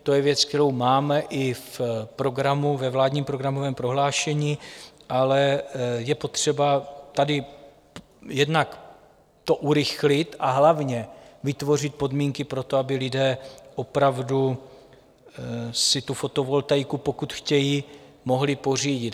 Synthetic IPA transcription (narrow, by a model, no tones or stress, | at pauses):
t̪ojɛvjɛt͡sk̚t̪ɛɾowmaːmɛʔɪfpɾo̞ɡɾamuvɛvlaːd̪ɲiːmpɾo̞ɡɾamovɛːmpɾo̞ɦlaːʃɛɲiːʔalɛjɛpo̞t̪r̝̥ɛbat̪adɪ | jɛdnak | t̪oʔuɾɪxlɪt̪ʔaɦlavɲɛvɪt̪vo̞r̝ɪt̪̚po̞dmiːŋkɪpɾo̞t̪oabɪlɪdɛːʔo̞pɾavdu | sɪt̪ufo̞t̪o̞vo̞lt̪ajkupo̞kut̪xcɛjiː | mo̞ɦlɪpo̞r̝iːɟɪt̪